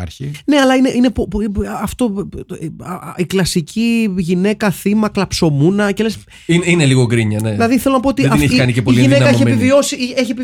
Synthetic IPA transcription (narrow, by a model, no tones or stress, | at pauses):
ɾçine̞ɐlɐineʔine̞poɐft̪o̞ | iklɐsicʰiʝine̞kɐθimɐklɐpso̞munɐce̞les | inineliɣokɾiɲɐneðilɐðiθelo̞nɐpoot̪iɐeçikɐnicepoiliʝinenɐeçiepivio̞sieçie̞pi